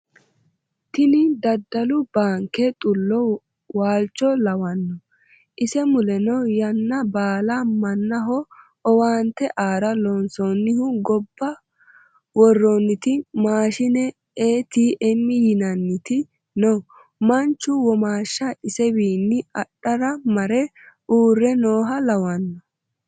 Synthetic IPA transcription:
t̪ɪnɪd̪ɐd̪ːɐlʊbaːŋkɛt̪ʼʊlːɔ | waːlt͡ʃːɔlɐwɐnːɔ | ʔɪsɛmʊlɛnɔjɐnːɐbaːlɐmɐnːɐɦɔ | ɔwaːnt̪ːɛʔaːɾɐlɔnsɔnːɪhʊɡɔbːɐ | wɔrːonːɪt̪ɪmaːʃɪnɛ | eːt̪iːʔɛmːɪjɪnɐnːɪt̪ɪ | no | mɐnt͡ʃːʊwɔmaːʃːɐɪsɛbiːnːɪɐɗːɐɾɐmɐɾɛ | ʔuːrːɛnoːɦɐlɐwɐnːɔ

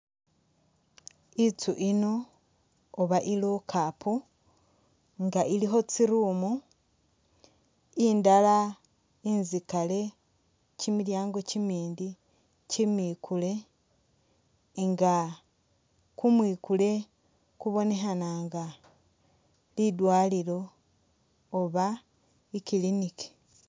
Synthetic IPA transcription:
it͡suʔinoː | βaʔilokʰaːpʰo | ŋɡaʔiliɦo̞t͡siɾuːmu | indala | inzikale̞ | cimiljaːŋɡo̞cimiːndi | cimiːkʰule̞ | ŋɡa | kumwiːkule̞ | kuβo̞ne̞ɦanaŋɡa | lidwaːliɾo̞ | βa | ikilinike̥

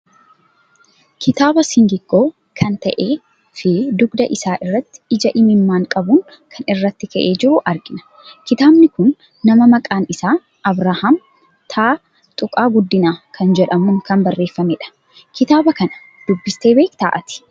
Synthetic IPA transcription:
kʰɪt̪aːbɐsɪŋɡɪɡ̥ːo̞ː | kʰɐnt̪ɐʔeː | fɪd̪ʊɡd̪ɐʔɪsaːʔɪrːɐt̪ːɪ̥ɪd͡ʒɐʔɪmɪmːaːŋkʼɐbuːŋ | kʰɐnɪrːɐt̪ːɪkɐʔeːd͡ʒɪɾʊʔɐɾɡɪnɐ̥ | kɪt̪aːbnɪkʊnː | ɐmɐmɐkʼaːnɪsaː | ʔɐbɾaːham | t̪ʰaː | t̪ʼʊkʼaːɡʊd̪ːɪnaːkʰɐnd͡ʒɛᶑɐmuːŋkɐmbɐrːe̞ːfːɐmeːᶑɐ̥ | kɪt̪aːbɐkɐnɐ̥ | d̪̥ʊbːɪst̪e̞ːbe̞ːkt̪a̰ːʔɐt̪ɪ̥

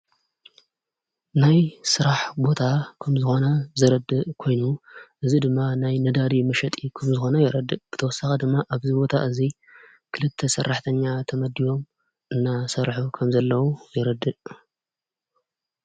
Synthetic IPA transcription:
najsɨɾaħbo̞t̪ʰakʰɐmzɨxo̞nɐzɐɾɐd̪ɨʔkʰo̞jnuʔɨzid̪ɨmːanajnɐd̪ad̪imɐʃɐt̪ʼikʰɐmzɨxo̞nɐjɛɾɐd̪ːɨʔb̥ɨt̪ʰɐwɔsːɐxɐd̪ɨmːaʔaβzibo̞t̪ʰaʔɨzi | kʰɨlɨt̪ʰːɐsɐrːaħt̪ʰɐɲːat̪ʰɐmɐd̪ːijo̞m | ʔɨnːasɐɾħukʰɐmzɐlːɐwujɛɾɐd̪ɨʔ

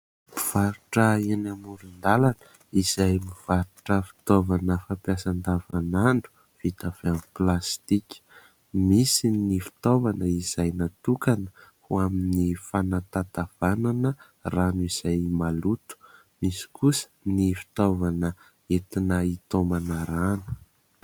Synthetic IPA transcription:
miv̥aɾuʈ͡ʂəenamuɾind̪alanə̥ | iz̥ajmiv̥aɾuʈ͡ʂəfi̥t̪ovanəfapjasand̪avanaɳɖ͡ʐu̥ | v̥it̪av̥eaniplast̪ikʲi̥ | misinifi̥t̪ovanəiz̥ajnat̪ukanə̥huaminifanat̪at̪av̥ananə | ranuiz̥ajmalut̪u̥ | misi̥kusə̥nifi̥t̪ovanə | et̪inəit̪omanaranu̥

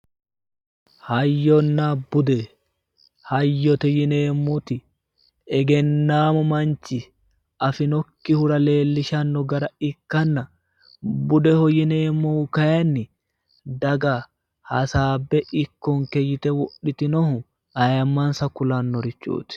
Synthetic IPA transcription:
hɐjːɔnːabʊd̪ɛ | hɐjːɔt̪ɛjɪneːmːʊt̪ɪ | ɛɡɛnːaːmɔmɐnt͡ʃːɪ | ɐfɪnɔkːɪhʊɾɐle̞ːlːɪʃɐnːɔɡɐɾɐɪkːɐnːɐ | bʊd̪ɛhɔjɪne̞ːmːɔhʊkɐjɐnːɪ | d̪ɐɡɐ | hɐsaːbːɛʔɪkːɔŋkɛjɪt̪ɛwɔɗːɪt̪ɪnɔhʊ | ɐjɐmːɐnsɐkʊlɐnːɔɾɪt͡ʃːṵːt̪ɪ̥

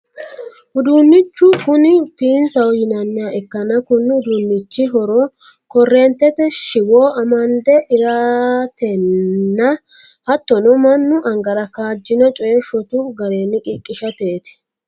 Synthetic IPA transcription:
ʊd̪unːɪt͡ʃːʊkʊnɪpiːnsɐwjɪnɐnːaːɛkːɐnɐkʊnːʊd̪uːnːɪt͡ʃːɪɦɔɾɔkɔrːeːnt̪ːɛt̪ɛʃɪwoːʔɐmɐnd̪ɛɪɾaːt̪ɛnːɐɐt̪ːɔnɔmɐnːʊʔɐŋɡɐɾɐkaːd͡ʒːɪnɔt͡ʃʼɔjɛʃɔt̪ʊɡɐɾe̞ːnːɪkʼɪkʼːɪʃɐt̪eːt̪ɪ̥

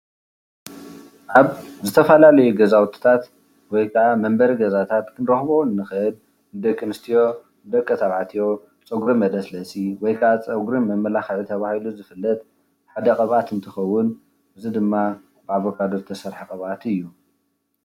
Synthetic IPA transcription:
ʔaβzɨt̪ʰɐfɐlalɐjuɡɐzawt̪ʰi̥t̪ʰat̪ | wɔjkʰaʔamɐmbɐɾiɡɐzat̪ʰat̪kʰɨnɾoxβowɨnːɨxɨn | nd̪ɐkʼːɨnɨst̪ʰijo̞ | d̪ɐkʼːɐt̪ʰaβʕat̪ʰijo̞ | t͡sʼɨɡɾimɐd̪ɐslɐsʼiwɔjkʰɐat͡sʼɐɡɾimɐmːɐlaxɐʕit̪ʰɐβahiluzɨfɨlːɐt̪̚ | ħad̪ɐkʼɐβʔat̪ɨnt̪ʰɨxɐwːʊn | ʔɨzid̪ɨmːa | b̥ɨaβokʰad̪oɾt̪ʰɐsɐɾħikʼɐβʔat̪ɨjːu

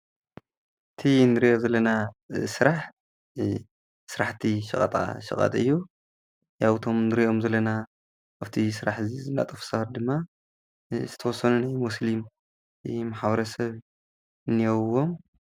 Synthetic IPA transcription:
ʔɨt̪ʰinɨɾiʔozɐlːɐnasɨɾaħ | sɨɾaħt̪ʰiʃɨkʼɐ̰t̪ʼa̰ʃɨ̰kʼa̰t̪ʼɨ̰jːu | jaβɨt̪ʰo̞mnɨɾiʔo̞mzɐlːɐna | aβt̪ʰisɨɾaħzizɨnːa̰t̪ʼɐfsɐhɾd̪ɨmːa | zɨt̪ʰɐwɔsːɐnunajmuslim | maħβɐɾɐsɐβ | ɨnːijɐwwo̞m

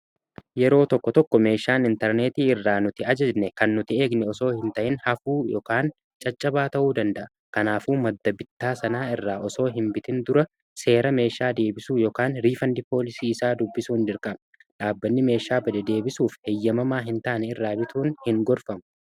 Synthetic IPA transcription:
jɛɾo̞ːt̪ɔkːɔt̪ɔkːɔme̞ːʃaːnɪnt̪ɛɾneːt̪iːɪrːaːnʊt̪ɪɐd͡ʒɛd͡ʒnɛkɐnːʊt̪ɪe̞ːɡnɛɔso̞ːhɪnt̪ɐʔɪnhɐfuːjɔːkaːn | t͡ʃʼɐt͡ʃʼːɐbaːt̪ɐʔuːd̪ɐnd̪ɐʔɐ | kɐnaːfuːmɐd̪ːɐbɪt̪ːaːsɐnaːɪrːaːʔɔso̞ːɦɪnbɪt̪ɪnd̪ʊɾɐ | se̞ːɾɐme̞ːʃaːd̪e̞ːbɪsuːjoːkaːnɾiːfɐnd̪ɪpo̞ːlɪsiːɪsaːd̪ʊbːɪsuːnd͡ʒɪɾkʼɐm | ᶑaːbːɐnːɪme̞ːʃaːbɐd̪ɛd̪e̞ːbɪsuːfhejːɐmɐmaːɦɪnt̪aːnɛɪrːaːbɪt̪uːnhɪŋɡɔɾfɐmɐ

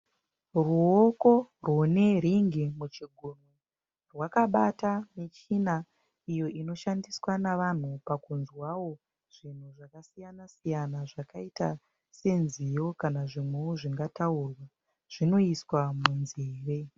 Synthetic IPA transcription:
ruoko̞rune̞ɾiŋɡimut͡ʃiɡʱunu | rwakaɓatamit͡ʃina | ijo̞ʔino̞ʃandiswanaʋan̤upakunzwawo̞ | ʐ̥in̤uʐakasijanasijanaʐakaita | se̞nzijo̞kanaʐimweoʐiŋɡatauːrwa | ʐ̥ino̞iswamunziːre

